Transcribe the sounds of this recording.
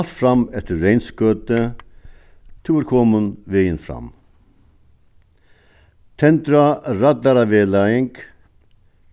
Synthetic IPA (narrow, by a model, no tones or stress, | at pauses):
lt̪fɾamɛft̪əɾːejnskøːt̪ə | t̪ʰɪɪɾkʰɔːmʊnʋejɪnfɾa̰m | t̪ʰɛnt̪ɾaɾad̪aɾaʋeːlaɪŋk